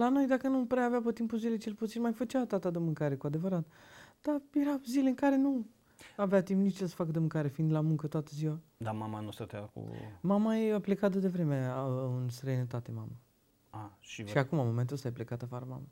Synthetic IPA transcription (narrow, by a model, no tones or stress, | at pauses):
lano̞jd̪akənupɾeaveapət̪impuzile̞t͡ʃelput̪sinmajfət͡ʃeat̪at̪ad̪əmɨŋkaɾekuad̪e̞vəɾat̪d̪̥aje̞ɾazileɨŋkaɾe̞nu | aveat̪impnit͡ʃesə̥fakəd̪əmɨŋkaɾefind̪lamuŋkət̪oat̪əziwad̪amamanust̪ət̪eakṵmamajeaplekat̪əd̪evɾe̞meɨnst̪ɾəjnət̪at̪ema̰ma | aʃiʃiakumamoment̪ulsajplekat̪afaɾəma̰mə